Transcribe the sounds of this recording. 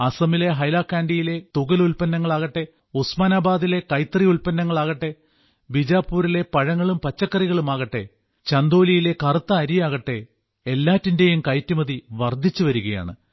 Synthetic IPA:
ɐsɐmile̞ɦɐjlaːkːaːɳɖijile̞t̪uɣɐlulpɐnːɐŋːɐɭaːɣɐʈːe̞ | usmaːnaːbaːd̪ile̞kɐjt̪ːrijulpɐnːɐŋːɐɭaːɣɐʈːe̞ | bid͡ʑaːpːuːɾile̞pɐɻɐŋːɐɭumpɐt͡ɕːɐkːɐriɣɐɭumaːɣɐʈːe̞ | t͡ɕɐnd̪o̞ːlijile̞kɐrɨt̪ːɐːɾijaːɣɐʈːe̞ | elːaːtːinde̞jumkɐjtːumɐðiʋɐrd̪ʱːit͡ɕːuʋɐɾuɣɐja̰ːɳɨ̰

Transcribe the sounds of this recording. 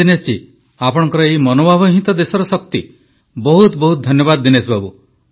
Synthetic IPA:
inest͡ʃi | apɔɽ̃ɔŋkɔɾɔejmɔnobʱabɔɦit̪ɔd̪esɔɾɔsɔkt̪i | bɔɦut̪bɔɦut̪̚d̪ʱɔnjɔbad̪ːinesbabu

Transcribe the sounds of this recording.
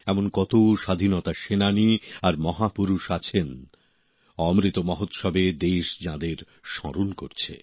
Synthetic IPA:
ɛmonkɔt̪oʃad̪ʱinot̪aʃenaniaɾmɔɦapuɾuʃat͡ɕʰen | ɔmɾit̪omɔɦot̪ʃɔbed̪eʃd͡ʑãd̪eɾ | ʃɔ̰ɾonkoɾt͡ɕʰḛ

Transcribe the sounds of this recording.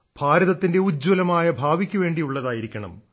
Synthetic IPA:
b̥ʱaːɾɐðɐt̪ːinde̞ud͡ʑwɐlɐmaːjɐbʱaːʋikʲːuʋe̞ːɳɖijuɭːɐðaːjiɾikʲːɐɳɐ̰m

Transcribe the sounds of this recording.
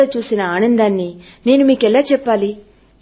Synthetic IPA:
at͡ʃuːsinɐaːnɐnd̪aːnːi | ne̞ːnumiːkɛlaːt͡ʃɛpːaːli

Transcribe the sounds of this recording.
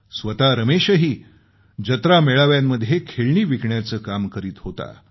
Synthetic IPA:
sʋət̪aɾəmeɕəɦiː | d͡ʑət̪ɾameɭaʋjamːəd̪ʱːjekʰeɭɳiːʋikɳjat͡səːkamkəɾiːt̪hot̪a̰

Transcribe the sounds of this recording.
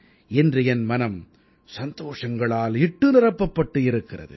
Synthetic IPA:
ɛndrɯɛnmɐnɐm | sɐnd̪oːʂɐŋɡɐɭaːlɪʈːɯnɪrɐpːɐpːɐʈːɯɪɾɯkːɪrɐ̰ðɯ̰

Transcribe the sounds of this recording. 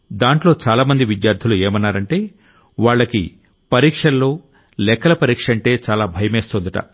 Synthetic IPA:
d̪aːɳʈlo̞ːt͡ʃaːlaːmɐnd̪iʋid̪jaːɾd̪ʰʱilue̞ːmɐnːaːɾɐɳʈe̞ː | ʋaːɭːɐkḭ | pɐɾiːkʂɐlːo̞ː | lɛkːɐlɐpɐɾiːkʂɐɳʈe̞ːt͡ʃaːlaːbʱɐjɐme̞ːst̪oːnd̪ɐʈɐ̰

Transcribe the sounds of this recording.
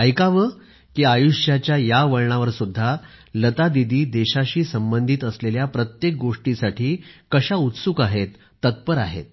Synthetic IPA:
əjkaʋə | kiːajuɕjat͡ɕjajaʋəɭɳaʋəɾsud̪ʱːa | lət̪ad̪id̪iːd̪eɕaɕiːsəmbənd̪ʱiːt̪əsleljapɾət̪jek̚ɡoʂʈisaʈʰiːkəɕaut̪sukaɦet̪ːət̪̚pəɾaɦḛt̪̚

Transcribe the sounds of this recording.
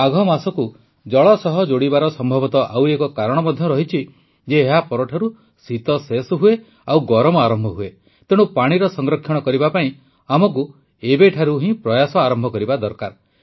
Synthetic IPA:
aɡʱɔmasɔku | d͡ʒɔɭɔsɔɦɔd͡ʒoɽibaɾɔsɔmbʱɔbɔt̪ɔʔawekɔkaɾɔɽ̃ɔbɔd̪ʱjɔɾɔɦit͡ʃʰi | d͡ʒeːɦapɔɾɔʈʰaɾu | sit̪ɔsesɔɦue | awɡɔɾɔmɔaɾɔmbʱɔɦue | t̪eɽ̃ũpaɽ̃iɾɔsɔŋɡɾɔkʰːjɔɽ̃ɔkɔɾibapaĩ | amɔk̬u | ebeʈʰaɾuɦĩpɾɔjasɔaɾɔmbʱɔkɔɾibad̪ɔɾkaɾ

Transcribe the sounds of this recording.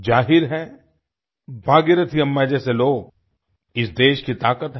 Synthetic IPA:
d͡ʒaːɦɪɾɦɛ | bʱaːɡɪɾət̪ʰiɐmːɛd͡ʒɛseloːɡ | ɪsd̪eːʃkit̪aːkət̪ɦ

